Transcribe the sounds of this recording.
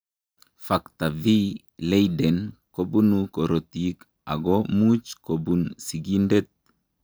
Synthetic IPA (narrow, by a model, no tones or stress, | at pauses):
fakt̪avi | lejdɛnkobunukoɾot̪ik | a̰ɡomut͡ʃkobunsiɡindɛt̪̚